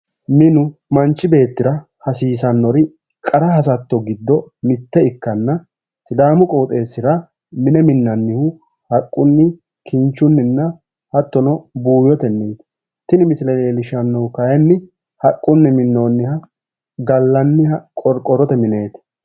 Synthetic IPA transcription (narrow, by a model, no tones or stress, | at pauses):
mɪnʊmɐnt͡ʃːɪbe̞ːt̪ːɪɾɐ | hɐsiːsɐnːɔɾɪ | kʼɐɾɐhɐs̬ɐt̪ːɔɡɪd̪ːɔmɪt̪ːɛɪkːɐnːɐ | sɪd̪aːmʊkʼoːt̪ʼe̞ːsːɪɾɐ | mɪnɛmɪnːɐnːɪhʊ | hɐkʼːʊnːɪ | kʰɪnt͡ʃːʊnːɪnːɐ | hɐt̪ːɔnɔbuːjɔt̪ɛnːeːt̪ | t̪ɪnɪmɪslɛleːlɪʃɐnːɔkɐjɛnːɪ | hɐkʼːʊnːɪmɪnːoːnːɪhɐ | ɡɐlːɐnːɪhɐkʼɔɾkʼɔɾɔt̪ɛmɪne̞ːt̪